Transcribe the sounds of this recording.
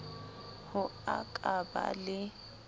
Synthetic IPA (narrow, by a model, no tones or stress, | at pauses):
hʊakʼaba̰lɪ